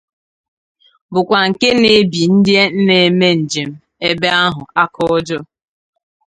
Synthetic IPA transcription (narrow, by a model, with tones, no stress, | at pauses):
bʊ˨kʷa˨ŋ̩˨ke˦ne˨˦bi˨n̩˦dɪ˦e˦n̩˦ne˨e˨me˦n̩˨d͡ʒe˨m̩˦ | e˦be˦a˦ɦʊ˨a˦kɔ˦ɔ˦d͡ʒɔ˦